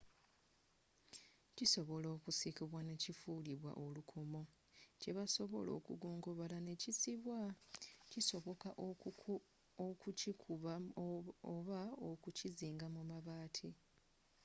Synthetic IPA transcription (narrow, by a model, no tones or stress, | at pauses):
ciso̞βo̞lo̞ːkusikiβwane̞cifuliβwa̰ʔo̞lukʰo̞mo̞ | ce̞βaso̞βo̞̰lo̞̰ːkṵɡuːŋɡoβalane̞cisiβwaciso̞βo̞kaʔ | okucikʰuβa | oβaokuciziːŋɡamumaβaːtʰi